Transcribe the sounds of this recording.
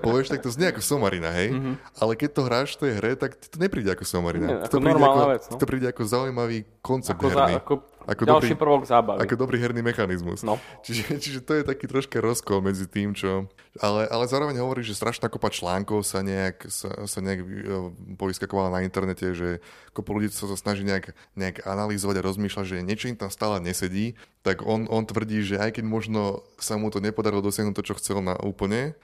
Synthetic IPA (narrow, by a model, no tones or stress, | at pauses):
pɔʋɪɛʃt̪ak̚t̪ɔzɲɛakɔsɔmaɾinaɦɛj | alɛkɛc̚t̪ɔɦɾaːʃt̪ɔjɛɦɾɛt̪akt̪ɔɲɛpɾiːɟɛakɔsɔmaɾina̰akt̪ɔp̪iɔɾɛmalnɔaʋɛtt͡sakt̪ɔpɾiːɟɛakɔzaujmaʋiːkɔnt͡sɛb̚d̪ɦɛɾniakɔ | ʔa̰kɔdɔalɾiʃiːpr̩ʋɔɡzaːbaʋakɔd̪ɔbɾiːɦɛɾnimɛxanizmṵsnɔt͡ʃiʒɛt͡ʃiʒɛt̪ɔjɛt̪akiːt̪ɾɔʃkaɾɔskɔlmɛd͡zit̪iːmt͡ʃɔ | alɛʔalɛzaːɾɔʋɛɲɦɔʋɔɾiːʒɛst̪ɾʔaʃnaːkɔpat͡ʃlaːŋkɔʊsaɲɛaksa̰saɲɛaɡ | pɔiskakɔʋalanaint̪ɛɾnɛcɛʒɛkɔpɔluɟisasasnaʒiːɲɛaɡ | ɲɛaɡanalizɔʋaɟaɾɔzmiːʃlaɟʒɛɲɛt͡ʃɔimt̪amst̪aːlɛɲɛsɛɟiːt̪aɡɔnʔɔnt̪ʋr̩ɟiːʒɛajkɛɟmɔʒnɔsamut̪ɔɲɛpɔd̪aɾilˠɔd̪ɔsɪaɦnut̪ːɔt͡ʃɔxt͡sɛlna̰ʔṵːpl̩ɲɛ